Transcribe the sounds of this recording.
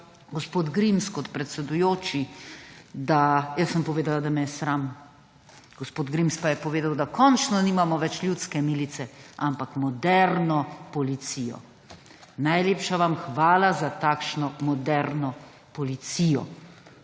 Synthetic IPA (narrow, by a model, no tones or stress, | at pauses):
ɡospoːd̪ɡɾimskɔt̪pɾɛt̪sɛd̪ujoːt͡ʃi | d̪ajəsːəmpɔʋeːd̪alad̪amɛjɛsɾam | ɡ̥ɔspoːd̪ɡɾimspajɛpɔʋeːd̪awd̪akɔnt͡ʃnɔniːmamɔʋɛt͡ʃljut̪skɛmiːlit̪sɛampakmɔd̪ɛɾnɔpɔlit̪sijɔ̰ | najleːpʃaʋamxʋaːlazat̪akʃnɔmɔd̪ɛɾnɔ | pɔlit̪siːjɔ̰